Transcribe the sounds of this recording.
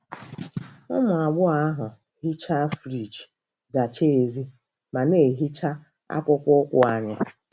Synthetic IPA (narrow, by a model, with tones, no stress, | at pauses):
ʊ˦mʊ˨a˨ɡ͡bʊ˦a˦ɦʊ˨ | ɦi˦t͡ʃa˦fɾi˨t͡ʃ | za˨t͡ʃe˦e˨zi˦ | ma˨ne˨ɦi˦t͡ʃa˦ | a̰˦kʷʊ˦kʷʊ˦kʷʊ˦a˨ɲa̰˦